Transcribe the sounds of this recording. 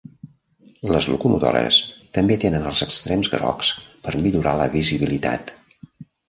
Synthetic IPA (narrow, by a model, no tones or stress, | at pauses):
ləzlukumut̪o̰ɾə̰st̪əmbet̪enənəlˠzəkst̪ɾɛmzɣɾɔ̰kspəɾmiʎuɾaləβiziβilit̪a̰t̪